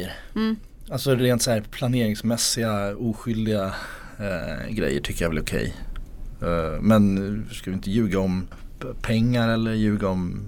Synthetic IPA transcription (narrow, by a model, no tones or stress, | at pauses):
əɾ | alsɔɾeːnt̪sæːɾpʰlaneːɾɪŋsmɛsːɪɡauːɧʏld̪ɪɡa | ɡɾɛ̰jːə̰ʈʰʏkːəjavɛlɾʊkʰɛ̰j | mɛnskalɪɪnt̪əjʉ̟ːɡaɔmpʰɛŋːaɾɛlːəɾjʉ̟ːɡaɔm